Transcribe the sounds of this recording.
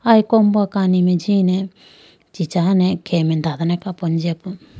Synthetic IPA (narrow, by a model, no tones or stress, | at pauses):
ajkɔmbuakanimed͡ʒine | t͡ʃit͡ʃanekʰemɛnd̪ad̪anɛkapɔnd͡ʒepu